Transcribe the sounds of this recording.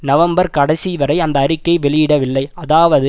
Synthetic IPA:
nɐʋɐmbɐɾkɐɽɐsiʋɐɾɐɪɐnd̪ɐːrɪkːɐɪʋɛɭɪjɪɽɐʋɪlːɐɪɐðaːʋɐðɯ

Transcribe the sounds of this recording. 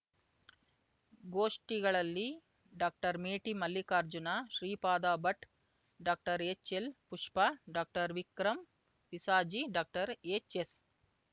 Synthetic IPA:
ɡoːʂʈiɡɐɭɐlːi | ɖaːk̚ʈɐɾmeːʈimɐlːikaːɾd͡ʒunaːʃɾiːpaːd̪aːbɐʈ | ɖaːk̚ʈɐɾeːt͡ʃelpuʂpaɖaːk̚ʈɐɾʋikɾɐm | ʋisaːd͡ʒiɖaːk̚ʈɐɾeːt͡ʃes

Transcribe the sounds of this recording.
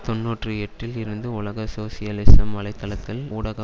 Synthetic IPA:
t̪ɔnːuːʈrɯɛʈrɪlɪɾɯnd̪ɯʊlɐɣɐsoːsɪjɐlɪsɐmʋɐlɐɪt̪ːɐlɐt̪ːɪluːɽɐɣɐ

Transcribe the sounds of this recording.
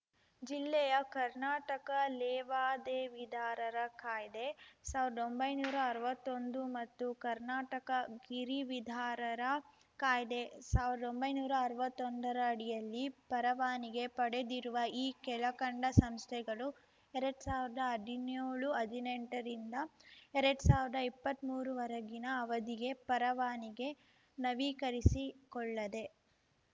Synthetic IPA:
d͡ʒilːɛjɐkɐɾnaːʈɐkɐlɛːʋaːd̪eːʋid̪ʱaːɾɐɾɐkaːjd̪e̞saːʋiɾɐd̪ombɐjnuːɾɐːɾʋɐt̪ːo̞nd̪umɐt̪ːukɐɾnaːʈɐkɐɡiɾiʋid̪ʱaːɾɐɾɐ | kaːjd̪e̞saːʋiɾɐd̪o̞mbɐjnuːɾɐːɾʋɐt̪ːond̪ɐɾɐːɽijɐlːipɐɾɐʋaːniɡe̞pɐɽe̞d̪iɾuʋɐiːkɛɭɐkɐɳɖɐsɐmst̪ʰɛɡɐɭu | ɛɾɐɽusaːʋiɾd̪ɐːd̪ʱinjoːɭuɐd̪ʱineɳʈɐɾind̪ɐɛɾɐɽusaːʋiɾd̪ɐipːɐt̪ːmuːɾuʋɐɾɐɡinɐːʋɐd̪iɡe̞pɐɾɐʋaːniɡe̞ | nɐʋiːkɐɾisikɔɭːɐd̪e̞

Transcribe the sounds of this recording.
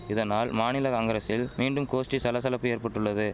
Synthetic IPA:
ɪðɐnaːlmaːnɪlɐkɐŋɡɐɾɐsɪlmiːɳɖɯmkoːsʈisɐlɐs̬ɐlɐpːɯeːɾpɐʈːɯɭːɐðɯ

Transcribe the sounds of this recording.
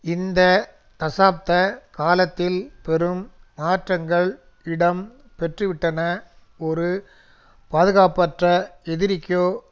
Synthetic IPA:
ɪnd̪ɐ | t̪ɐsaːp̚t̪ɐkaːlɐt̪ːɪlpɛɾɯmːaːʈrɐŋɡɐɭ | ɪɽɐm | pɛʈrɯʋɪʈːɐnɐ | ɔɾɯ | paːðɯɣaːpɐʈrɐɛðɪɾɪkːjoː

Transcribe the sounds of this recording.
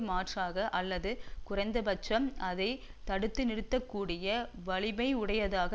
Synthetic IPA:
maːʈraːɣɐʔɐlːɐðɯkʊrɐɪnd̪ɐbɐt͡ʃːɐmɐðɐɪt̪ɐɽɯt̪ːɯnɪɾɯt̪ːɐkːuːɽɪjɐʋɐɭɪmɐɪʊɽɐjɐðaːɣɐ

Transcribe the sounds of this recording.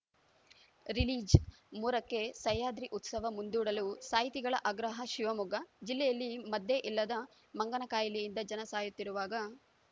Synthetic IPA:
ɾiliːd͡ʒ | muːɾɐkːe̞sɐjaːd̪ɾiʔut̪sɐʋɐmund̪uːɽɐlusaːjit̪iɡɐɭɐʔɐɡɾɐɦɐʃiʋɐmuɡɐd͡ʒilːɛjɐlːimɐd̪ːeʔilːɐd̪ɐ | mɐŋɡɐnɐkaːjɐlijind̪ɐd͡ʒɐnɐsaːjut̪ːiɾuʋaːɡɐ

